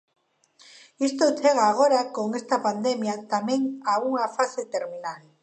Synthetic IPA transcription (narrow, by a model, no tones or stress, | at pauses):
ist̪ot͡seɣ̞aːɣ̞o̞ɾako̞ŋe̞st̪apand̪emjat̪ameŋaɣuŋafaset̪e̞ɾminal